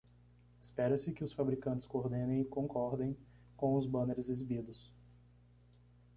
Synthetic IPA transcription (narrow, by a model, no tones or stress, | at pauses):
ɪ̥spɛɾɐsɪkɪʊsfabɾikɐ̃nt͡ʃɪ̥skooɾd̪ẽnẽj̃ɪkõŋkɔɾd̪ẽj̃ | kõw̃ʊzbɐ̃neɾɪzizibid̪ʊs